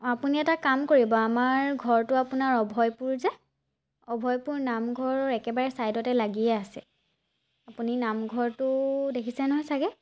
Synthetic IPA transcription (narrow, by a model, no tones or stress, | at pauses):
apuniɛtakamkoɹibɔamaɹɡʱɔɹtʊapunaɹɔbʱɔjpuɹzɛ | ɔbʱɔjpuɹnamɡʱɔɹɛkɛbaɹɛsajdɔtɛlaɡiɛasɛ | apuninamɡʱɔɹtʊdekʰisɛnɔɦɔjsaɡɛ